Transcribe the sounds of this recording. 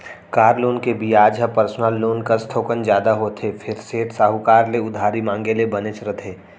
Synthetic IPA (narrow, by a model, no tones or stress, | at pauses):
kaːɾloːnkebiaːd͡ʒɦəpəɾsnəlːoːnkəɾst̪ʰoːkənd͡ʒjaːd̪aɦot̪ʰepʰɪɾseːʈsaːɦukaːɾleʊd̪ʱaːɾimãːŋɡelebənet͡ʃɾət̪ʰeː